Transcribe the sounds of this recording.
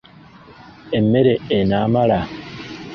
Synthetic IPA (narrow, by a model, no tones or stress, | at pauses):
emːeɾeenamala